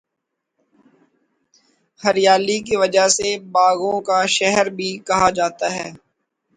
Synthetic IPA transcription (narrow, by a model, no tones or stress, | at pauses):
hɐɾjaːlik̬iʋɐd͡ʒasebaːɣõkaʃɛɦəɾbʱikɐɦad͡ʒaːt̪aɦɛː